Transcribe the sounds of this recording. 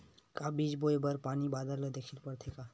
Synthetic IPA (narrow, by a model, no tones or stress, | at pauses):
kabiːd͡ʒboebəɾpaːnibaːd̪əɾled̪eːkʰilpəɾt̪ʰeka